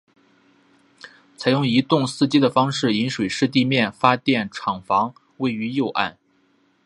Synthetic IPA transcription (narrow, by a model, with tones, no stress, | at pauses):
t͡sʰa˧˥ɪjʊ˥˩ŋi˧˥t̪ʊ˥˧ŋsɹ̩˥˧t͡ɕi˥d̪ə˨fɑ˥ŋʂɻ̩˥˩i˧˥nʂwe˨˩ɪʂɻ̩˥˧t̪̬i˥˧mjɛ˥˩nfa˥t̪jɛ˥˩nʈ͡ʂʰɑ˨˩ŋfɑ˧˥ŋ | we˥˩ɪy˧˥jo˥˧ʊʔa̰˥˩n